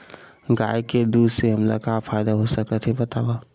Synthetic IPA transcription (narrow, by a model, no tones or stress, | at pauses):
ɡaːjked̪uːd̪seɦəmla̰kapʰaːjd̪aɦosəkət̪ʰɦebət̪aːwa